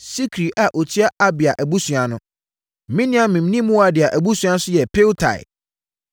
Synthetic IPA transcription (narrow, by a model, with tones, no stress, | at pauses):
si˦kʰɾi˨ʔa˨ʔo˨tʰi˦a˦ʔa˦bɪ˨a˨ʔæ˨bu˦sɥa˨nʊ̃˦˨ | mĩ˦nɪ̃˦ã˦mĩ˨m˨nĩ˦mũ˦wa˨dɪ˨a˨ʔæ˨bu˦sɥa˦sʊ˦jɛ˨pʰe˦ltʰa̰˨ɪ̰˨